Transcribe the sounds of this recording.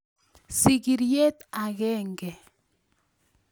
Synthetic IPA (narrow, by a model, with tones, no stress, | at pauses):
si˨ɡi˨ɾje˦t̪a˨ɣɛ˦ŋɡɛ˨